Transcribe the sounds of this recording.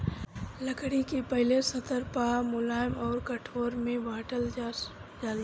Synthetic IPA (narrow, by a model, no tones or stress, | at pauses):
ləkɽikepəɦɪlesət̪ʰəɾpaːmʊlaːɪmɔːɾkəʈʰoːɾmẽʋaːʈəl | d͡ʒaːl